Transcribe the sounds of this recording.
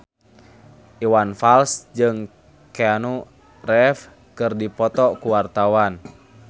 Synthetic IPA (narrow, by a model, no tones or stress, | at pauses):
ʔiwanfalsd͡ʒɨŋ | kɛanu | rɛf | kɨrdipɔt̪ɔkuwart̪awan